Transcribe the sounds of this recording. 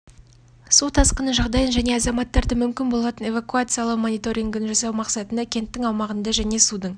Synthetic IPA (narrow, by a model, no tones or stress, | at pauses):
sut̪ʰɑsqənəʒɑʁd̪ɑjənʒæne̞ɑzɑmɑt̪ːɑɾd̪əmʏmkʲɪnbo̞lˠɑt̪əne̞vakuat̪sɨjalˠəqmo̞nijt̪o̞ɾʲiŋɡənʒɑsɑwmɑqsɑt̪ənd̪ɑkʲʰe̞nt̪ːɪŋɑwmɑʁənd̪ɑʒæne̞sud̪əɴ